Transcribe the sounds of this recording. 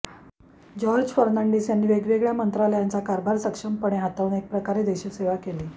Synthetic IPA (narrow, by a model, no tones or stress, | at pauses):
d͡ʑɔɾd͡ʑfəɾnaɳɖiːsjanːiːʋeɡʋeɡɭjamənt̪ɾaləjant͡sakaɾbʱaɾsəkʂəmpəɳ̃eɦat̪auːnek̚pɾəkaɾed̪eɕiːseʋakeliː